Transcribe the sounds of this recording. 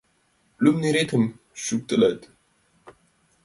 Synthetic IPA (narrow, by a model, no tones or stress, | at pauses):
lumniɾet̪ʰɨm | ʃuk̚t̪ʼɨlət̪